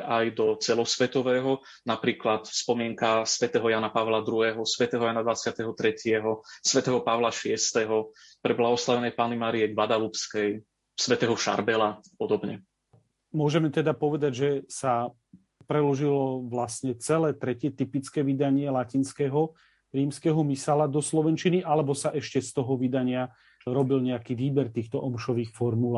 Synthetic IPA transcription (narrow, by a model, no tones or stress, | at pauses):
ʔajd̪ɔt͡sɛlɔsʋɛt̪ɔʋɛːɦɔ | napɾiːklat̪fspɔmɪɛŋkasʋɛt̪ɛːɦɔjaːnapaʋlad̪ɾuɦɛːɦɔsʋɛt̪ɛːɦɔjaːnad̪ʋat͡sɪat̪ɛɦɔt̪ɾɛcɪɛɦɔsʋɛt̪ɛːɦɔpaʋlaʃɪɛst̪ɛɦɔpɾɛblaɦɔslaʋɛnɛjpaːnimaːɾijɛɡʋad̪alupskɛj | sʋɛt̪ɛːɦɔʃa̰ɾbɛlapɔd̪ɔbɲɛ | mʊɔʒɛmɛt̪ɛd̪apɔʋɛd̪aɟʒɛsa | pɾɛlɔʒilɔʋlasɲɛt͡sɛlɛːt̪ɾɛcɪɛt̪ipit͡skɛːʋid̪aɲɪɛlacinskɛɦɔ | ɾiːmskɛːɦɔmisalad̪ɔslɔʋɛnt͡ʃiniʔalɛbɔsaʔɛʃcɛst̪ɔɦɔʋid̪aɲɪa | ɾɔbilɲɛakiʋiːbɛɾt̪iːxt̪ɔʔɔmʃɔʋiːxfɔɾmula